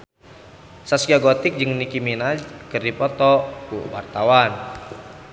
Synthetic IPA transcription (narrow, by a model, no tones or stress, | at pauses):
sasɡiaɡɔt̪ɪk̚d͡ʒɨŋnikiminakɨrdipɔt̪ɔkṵwart̪awan